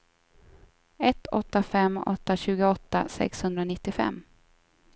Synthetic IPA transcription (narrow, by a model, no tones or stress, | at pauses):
ɛt̪ːɔt̪ːafɛmːʔɔ̰t̪ːaɕʉ̟ːɡəɔt̪ːa̰sɛ̰kshɵnd̪ɾanɪt̪ːɪfɛ̰mː